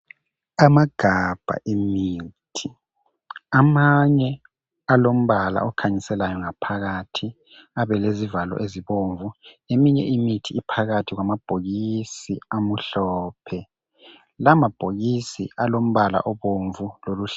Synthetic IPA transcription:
amaɡ̥ʱab̥ʱa̰ʔimiːtʰi | amaɲɛ | alom̩βala̰ɔkʰaɲisɛlajɔŋapʰaɣatʰi | aβɛlezivalɔ̰ʔeziβoɱvuemiɲɛ̰ʔimitʰiːipʰaɣatʰiɣwamab̥ʱoɣisiamuɬɔːpʰɛ | lamab̥ʱoɣisḭalom̩βala̰ʔɔβoɱvuloluɬ

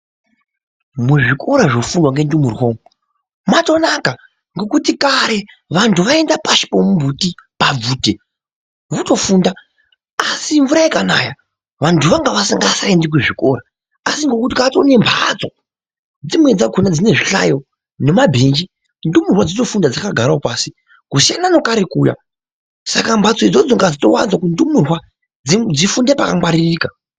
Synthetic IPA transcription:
muʐiko̞ɾaʐofunwaŋɡe̞ndumurwoːmu | mato̞naka | ŋɡo̞kutikaɾe̞ | ʋantʰuʋaendapaʃi̥pomumbutipab͡vuːte | ʋuto̞fuːnda | asiɱvuɾaekana̰ːja | ʋantʰuʋaŋɡaʋasiŋɡasandik̬uʐikoɾa | asiŋɡo̞kut̬ikat͡sone̞mbʱat͡so̞ | d͡zimwe̞d͡zakʰunad͡zine̞ʐiɬa̰jo̞ | ne̞mabʱe̞ːnd͡ʒi | ndumurwad͡zito̞fundad͡zakaɡʱaɾaopaːsi | kuʃanano̞kaɾekuːja̰ | sakambʱat͡so̞id͡zod͡zoŋɡad͡zito̞wa̰nzwakundumurwa | id͡zifundepakamwaɾiiriːka

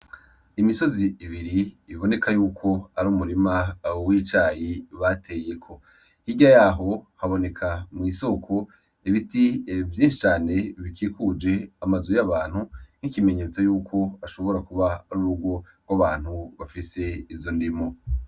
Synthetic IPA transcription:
imiso̞ziiβiɾiːβo̞ne̞kajuːkʰo̞aɾuːmuɾimawiːt͡ʃaːjiβatʰe̞je̞kʰo̞ | hiɟajaːɦo̞haβo̞ne̞kʰamŋiːso̞kʰo | iβitʰivjĩːnʃit͡ʃaːne̞βikʰiːkud͡ʒe̞amazujaβaːn̥hun̥ikime̞ɲe̞t͡sojuːkʰo̞aʃo̞βo̞ɾakuβaaɾuɾuɡwo̞ | ɡ̥waβaːn̥huβafise̞izo̞ndimo

